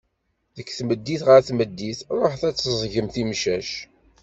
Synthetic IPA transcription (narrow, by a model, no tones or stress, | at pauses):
ðəkːθməd̪ːiθʁəɾθməd̪ːiθɾˤoħθæt͡sːəzˤʝəmθimʃæʃ